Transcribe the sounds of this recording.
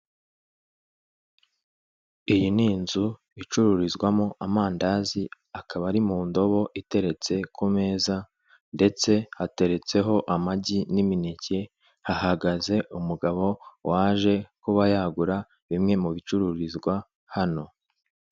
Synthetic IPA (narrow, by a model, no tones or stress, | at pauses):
ijiniːnzu | it͡ʃuɾuɾizɡwamoʔamaːndaːzi | akʰaβaɾimuːndo̞βo̞ʔite̞ɾe̞t͡se̞kʰume̞ːza | nde̞t͡se̞hate̞ɾe̞t͡se̞ɦo̞ʔamaɟiniminice̞ | hahaɡaze̞ʔumuɡaβo̞wʔaːʒe̞kuβajaɡuɾa | βimŋe̞muβit͡ʃuɾuɾizɡwa | hano̞